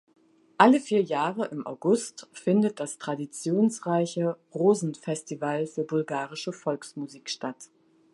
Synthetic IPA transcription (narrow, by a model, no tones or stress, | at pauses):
ʔaləfiːɐjaːʁəʔɪmʔa̰ʊɡʊstfɪndət̚d̥astʁ̥adit͡sjoːnsʁaɪçə | ʁoːzn̩fɛstivalfyːɐbʊlɡaːʁɪʃəfɔlksmuziːkʃtat